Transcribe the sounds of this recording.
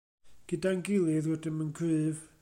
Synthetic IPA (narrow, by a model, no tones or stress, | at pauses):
ɡ̥ədanɡɪlˠɪðwɛdɪnmənkʰɨːv